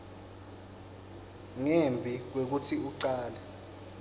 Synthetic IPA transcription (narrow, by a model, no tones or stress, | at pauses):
ŋembʱik̬wek̬utʰiuǀaːlɛ